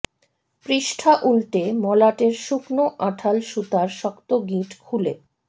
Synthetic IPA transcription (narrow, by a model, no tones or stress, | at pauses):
pɾiʃʈʰaʔulʈemɔlaʈeɾʃuknoʔaʈʰalʃut̪aɾʃɔkt̪oɡiʈkʰule